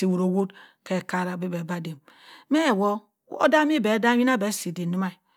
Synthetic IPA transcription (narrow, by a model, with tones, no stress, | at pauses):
i˨wu˨ɾo˨wo˦dke˨ka˦ɾa˨bi˦be˨ba˦de˨m | me˦˨wo˦ | o̰˦da˦mi˦be˨˦da˦i˦na˦˨be˨˦si˨di˨ni˦ma˦i˨